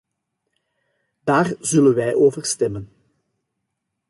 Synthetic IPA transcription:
d̥aːrzɵlənʋɛjʔoːvərstɛmən

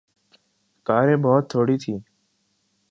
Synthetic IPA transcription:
kaːɾẽːboːt̪ʰːoːɽiːt̪ʰiː

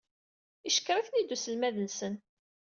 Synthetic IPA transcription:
iʃə̥kɾˤaθnid̪ːusəlmæðənsən

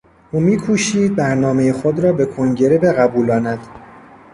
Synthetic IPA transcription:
ʔuːmiːkʰuːʃiːd̪̚bæɾnɒːme̞jexod̪ɾɒːbe̞kʰoŋɟe̞ɾe̞be̞ɣæbuːlɒːnæd̪̥

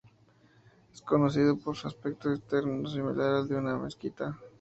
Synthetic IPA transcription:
eskonos̬iðopoɾsaspek̚t̪oset̪eɾnos̬imḭlʔaɾezd̪eunamḛskit̪a

